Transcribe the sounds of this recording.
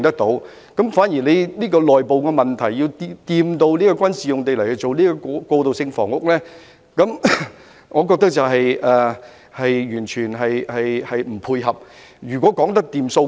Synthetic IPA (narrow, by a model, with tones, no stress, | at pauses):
ŋt̪ɐ˥k̚t̪o˨˥w | kɐ˨˥mfaː˨˥njiː˨˩le˨˧jniː˥kɔː˧lɔː˨˩jpo˨wkɛː˧mɐ˨nt̪ʰɐ˨˩jjiː˧wt̪ːt̪iː˧mt̪o˧wniː˥kɔː˧kʷɐ˥nsiː˨jʊ˨ŋt̪̬e˨jlɐ˨˩jhɵ˧t͡so˨wniː˥kɔ˧kɔ˧kɔː˧t̪o˨wsɪ˧ŋfɔ̰ː˨˩ŋʊ˥k̚lɛː˥ | kɐ˨˥m | ŋɔː˨˧kɔ˧k̚t̪ɐ˥k̚t͡sɐ˨wɦɐ˨jʔɛː˨˩ | hɐ˨jjyː˨˩nt͡ʃʰyː˨˩nɦɐ˨jhɐ˨jhɐ˨jm̩˨˩pʰuː˧jɦɐ˨p̚ | jyː˨˩kʷɔː˨˥kɔː˨˥ŋt̪ɐ˥k̚t̪iː˨˧mso˧